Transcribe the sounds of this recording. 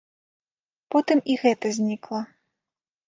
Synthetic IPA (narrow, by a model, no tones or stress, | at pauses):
pɔt̪ɨmiɣɛt̪ɐzʲnʲiklˠɐ